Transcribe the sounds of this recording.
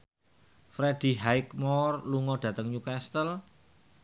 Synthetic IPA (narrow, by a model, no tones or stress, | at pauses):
fɾed̪̥i̤ɦaɪkmɔrluŋɔɖ̥ä̤t̪əŋɲukɛst̪əl